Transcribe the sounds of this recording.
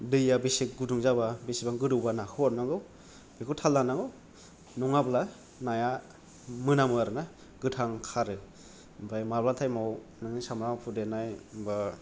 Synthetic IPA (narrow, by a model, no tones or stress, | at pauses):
dɯjabisik̚ɡuduŋzababisibaŋɡɯdɯwbanakʰɯwɔɾnaɡɯw | bikʰɯtʰalːanaɡɯw | nɔŋabla | naja | mɯnamɯaɾɯna | ɡɯtʰaŋkʰaɾɯ | mbʰajmablatʰajmawnɯŋnɯsamɾapʰudenajmba